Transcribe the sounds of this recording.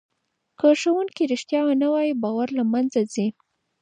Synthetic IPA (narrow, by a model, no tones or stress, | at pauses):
kaʂawunkiɾɪʃt̪jɑwanawɑjibɑwaɾlamanzazi